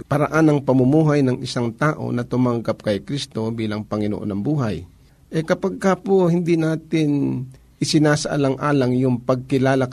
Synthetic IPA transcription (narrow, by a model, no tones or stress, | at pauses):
pɐɾaʔanɐŋpɐmʊmuːɦajnɐŋɪsaŋt̪aːʔo̞̰nɐt̪ʊmɐŋɡap̚kɐjkɾist̪o̞biːlɐŋpɐŋɪno̰ʔo̰nɐŋbuːɦaj | ʔɛkɐpaɡ̚kapohɪnd̪inaːt̪ɪn | ʔɪsɪnaːsɐʔɐ̰laŋʔaːlɐŋjʊŋpɐɡ̚kɪlaːla